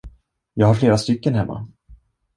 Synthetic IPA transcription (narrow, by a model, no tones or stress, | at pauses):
jɑːɡhaɾfleːɾast̪ʏkːənɦɛmːa̰